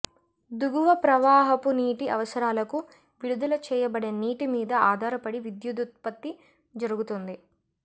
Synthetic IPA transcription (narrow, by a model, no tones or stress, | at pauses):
d̪uɡuʋɐpɾɐʋaːɦɐpuniːʈiʔɐ̰ʋɐsɐɾaːlɐku | ʋiɽud̪ulɐt͡ʃɛːjɐbɐɽeːniːʈimiːd̪ɐaːd̪ʱaːɾɐpɐɽiʋid̪jud̪ut̪̚pɐt̪ːi | d͡ʒɐɾuɡut̪ond̪i